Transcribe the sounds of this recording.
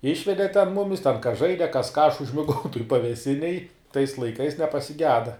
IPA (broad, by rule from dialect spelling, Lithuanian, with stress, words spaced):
ˈɪʃʲʋʲɛdʲɛ tʲɛn ˈmʊmʲɪs tʲɛn kɐs ˈʒɐɪdʲɛ kɐs kɑː ɐʃ ʊʒʲmʲɪˈɡɐʊ toːj pɐʋʲɛˈsʲɪnʲeːj tɐɪs lˠɐɪˈkɐɪs nʲɛpɐsʲɪˈɡʲæːdɐ